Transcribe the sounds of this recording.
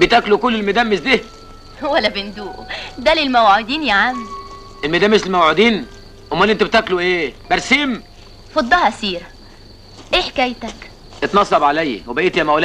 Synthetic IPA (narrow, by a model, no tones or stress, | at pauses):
bet̪æklukolːelmæd̪æːmːesd̪iː | wælːæbɪnd̪uːʔd̪ælelmæwʕod̪iːnjaʕami | ʔelmæd̪æːmeʃelmæwʕod̪iːn | ʔomːænːʔent̪æbet̪ækluʔeːbæɾsiːm | fɑd̪ˤːɑhʔæsiːɾæ | ʔeħekæjt̪æk | ʔet̪nɑsˤːɑbʕalæjːwebæʔeːt̪jæmælæ